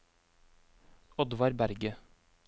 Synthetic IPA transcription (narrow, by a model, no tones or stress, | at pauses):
ɔd̪ʋɑɾbæɾɡə